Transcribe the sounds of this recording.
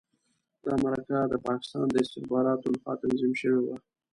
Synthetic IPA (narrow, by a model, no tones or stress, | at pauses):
d̪ɑmaɾakad̪əpɑkɪ̥st̪ɑ̰nd̪əɪst̪ɪxbɑɾɑt̪olaxwɑt̪anzimʃəwewa